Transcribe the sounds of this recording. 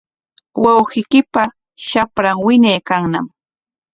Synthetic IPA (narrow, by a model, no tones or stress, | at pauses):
wawhɪjkɪpa | ʃapɾaŋwɪɲajkaŋnam